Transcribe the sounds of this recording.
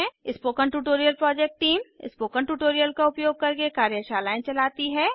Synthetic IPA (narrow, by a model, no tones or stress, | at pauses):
ẽɪspoːkəɳʈuːʈoːɾijəlpɾɔːd͡ʒeːk̚ʈːiːmɪ̰spoːkənʈuːʈoːɾijəlkaʊpjoːɡ̚kɐɾkekaːɾjəʃaːlaːẽt͡ʃɐlaːt̪iɦɛː